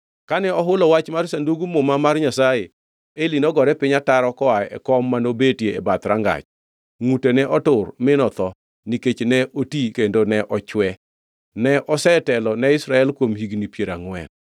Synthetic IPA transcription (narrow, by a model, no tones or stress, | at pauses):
kanɛɔɦʊlɔwat͡ʃmarsanduɡumomamarɲasaje | elinɔɡɔɾɛpɪɲataɾɔkɔaɛ̰kɔmːanobetjḛːbat̪ɾaŋɡa̰t͡ʃ | ŋutenɛʔɔtʊrmɪnɔt̪ɔ | niket͡ʃnɛʔotikendonɛʔɔt͡ʃwɛ | nɛʔɔsɛtɛlɔnɛɪsɾaɛlkwomhiɡnipjeɾaŋwɛ̰n